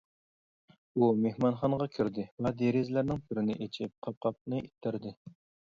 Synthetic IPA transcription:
umehmɑnχɑnʁɑkʲʰyɾd̪ɪvɛd̪eɾɪzlæɾnɪŋpʰɪɾɪnɪʔet͡ʃʰɪp̚qʰɑp̚qʰɑp̚nɨʔit̪ʰːɪɾd̪ɪ

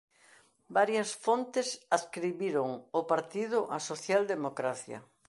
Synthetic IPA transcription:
baɾjɐsfont̪ɪsaskɾiβiɾoŋʊpaɾt̪ið̞ʊʔasoθjald̪emokɾaθjɐ̰

